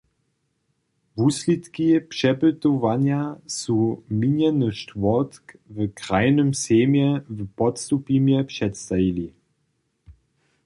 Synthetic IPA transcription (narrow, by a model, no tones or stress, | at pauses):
vuslitkipʂɛbətovanjasuminjɛnəʃtvɔt̪kvəkʁaɪnəmseːmjəvəpɔtstupimjəpʂɛtst̪aili